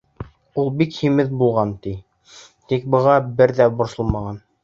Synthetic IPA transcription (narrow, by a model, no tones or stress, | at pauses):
ulˠbikhimɘðbulˠʁɑnt̪i | t̪ik̚bɤ̆ʁɑbɘɾðæbŏɾsŏlˠmɑʁɑn